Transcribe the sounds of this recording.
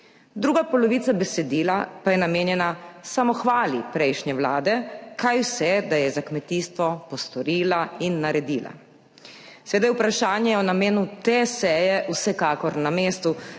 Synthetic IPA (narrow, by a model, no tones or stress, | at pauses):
d̪ɾuːɡapɔlɔʋiːt̪sabɛsɛd̪iːlapajɛnameːnjɛnasamɔxʋaːlipɾɛjʃnjɛʋlaːd̪ɛkajwsɛd̪ajɛzakmɛt̪iːst̪ʋɔpɔst̪ɔɾiːlainːaɾɛd̪iːla̰ | sɛʋeːd̪ajupɾaʃaːnjɛjɛɔnameːnut̪esɛːjɛʔwsɛkaːkɔɾnameːst̪u